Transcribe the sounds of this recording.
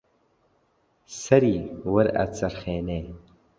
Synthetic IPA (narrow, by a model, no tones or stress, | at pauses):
sɐɾiːwəɾɐ̰t͡sʼɐrχeːneː